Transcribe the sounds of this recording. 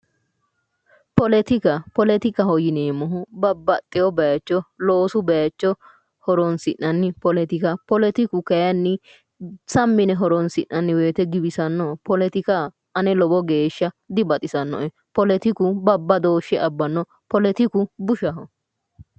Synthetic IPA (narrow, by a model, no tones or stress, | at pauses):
pɔlɛt̪ɪkɐpɔlɛt̪ɪkɐhɔjɪneːmɔɦʊbɐbːɐt̪ʼːɛjɔbɐjɐt͡ʃːɔloːsʊbɐjɐt͡ʃːɔ | hɔɾɔnsɪʔɐnːɪpɔlɛt̪ɪkɐpɔlɛt̪ɪkʊkɐjɐnːɪ | sɐmːɪnɛɦɔɾɔnsɪnːɐnːɪweːt̪ɛɡɪbɪsɐnːɔpɔlɛt̪ɪkɐ | ɐnɛlɔbɔɡe̞ːʃːɐ | d̪ɪbɐt̪ʼɪsɐnːɔ̰ʔɛ | pɔlɛt̪ɪkʊbɐbːɐd̪o̞ːʃːɛʔɐbːɐnːɔ | pɔlɛt̪ɪkʊbʊʃɐɦɔ